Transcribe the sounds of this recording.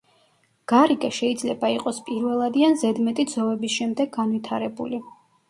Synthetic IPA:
ɡ̥aɾikʼɛʃɛid̪zlɛbaiqʼɔspʼiɾvɛlˠad̪ianzɛd̪mɛt̪ʼid̪zɔvɛbisʃɛmd̪ɛɡ̚ɡanvit̪ʰaɾɛbuli

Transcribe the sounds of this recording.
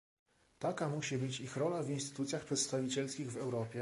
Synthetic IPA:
t̪akamuɕibɘt͡ɕixɾɔlavinst̪ɘ̥t̪ut̪sʲjaxpʂɛt̪st̪avʲit͡ɕɛlskʲiɣvɛwɾɔpʲjɛ

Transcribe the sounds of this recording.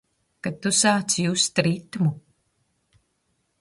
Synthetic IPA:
kat̪ːusaːt̪sjust̪ɾit̪mu

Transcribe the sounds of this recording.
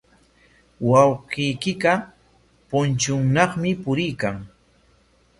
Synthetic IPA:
wɑwɢijkɪka | pʊnt͡ʃʊŋnɑχmɪpʊɾɪjkaŋ

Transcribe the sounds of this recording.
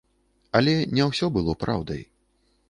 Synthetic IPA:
ɐlʲɛnʲɛwsʲɔbɨlˠɔpɾʔa̰wd̪ɐ̰j

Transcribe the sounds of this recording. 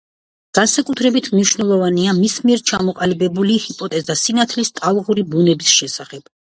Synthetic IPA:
ɡ̥ansakʼut̪ʰɾɛbit̪ʰmniʃnɛlˠɔvaniamismiɛɾt͡ʃʰamɔqʼalibɛbulihipʼɔt̪ʼɛzasinat̪ʰlist̪ʼalˠʁuɾibunɛbisʃɛsaχɛb̥

